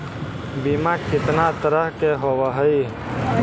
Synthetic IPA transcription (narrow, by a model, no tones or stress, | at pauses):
bimakɪt̪nat̪əɾəɦkeɦoːwaɦəi